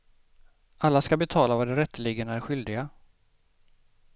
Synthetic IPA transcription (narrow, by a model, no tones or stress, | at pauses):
ʔalːaskabɛt̪ʰɑːlavad̪ɛɾɛt̪ːəliːɡənæɾɧʏld̪ɪɡa